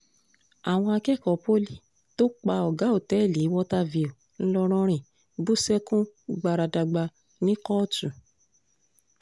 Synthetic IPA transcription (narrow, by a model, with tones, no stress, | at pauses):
a˨w̃ɔ̃˧a˧kɛ˦˨kɔ˨po˦li˦ | to˦k͡pa˧ɔ˨ɡa˨˦o˦˨tɛ˨˦˨li˨˦wɔ˦ta˧vi˨o˨ | n̩˦lɔ˧ɾ̃ɔ̃˦ɾ̃ĩ˨ | bu˦˨sɛ˦kũ˦ɡ͡ba˧ɾa˧da˧ɡ͡ba˧ | nĩ˦kɔ˦tũ˨